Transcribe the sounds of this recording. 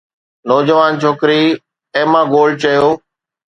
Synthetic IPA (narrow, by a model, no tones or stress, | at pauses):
nɔːd͡ʑəʋaːnt͡ʃʰoːkɾiː | ẽːmãːɡoːlt͡ɕəjoː